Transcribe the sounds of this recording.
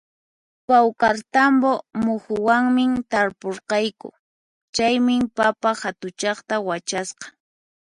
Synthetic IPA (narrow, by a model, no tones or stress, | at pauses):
pawkaɾt̪ambomʊxʊwaŋmɪmt̪aɾpoɾqɑjkʊ̰ | t͡ʃajmɪpapaxat̪ʊt͡ʃɑχt̪awat͡ʃasqɑ̥